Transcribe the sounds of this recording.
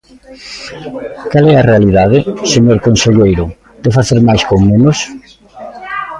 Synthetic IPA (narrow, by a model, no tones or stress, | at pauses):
kalɛarealiðaðɪseɲoɾkonseʎejɾʊ | d̪̥efaθeɾmajskoŋmẽnʊs